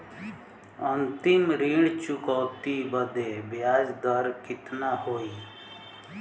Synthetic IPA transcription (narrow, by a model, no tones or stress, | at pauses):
ənt̪ɪmɾiːɽt͡ʃʊkɔːt̪ibəd̪ebjaːd͡ʒd̪əɾkɪt̪nahoːiː